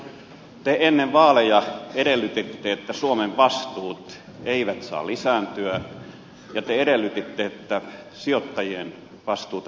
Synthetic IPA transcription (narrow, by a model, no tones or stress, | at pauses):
t̪eʔenːeʋʋɑːlejɑeɾelːyt̪et̪ːeet̪ːæsuomeʋʋɑst̪uːt̪ | eiʋæt̪sɑ̰ːlisæːnt̪yæ | jɑt̪eeɾelːˑyt̪et̪ːeet̪ːæ | siot̪ːɑjien | ʋɑst̪uːt̪